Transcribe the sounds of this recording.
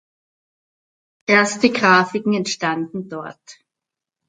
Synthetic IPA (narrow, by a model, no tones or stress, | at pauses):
ʔeːɐstəɡʁaːfɪkŋ̩ɛntʃtandn̩dɔɐt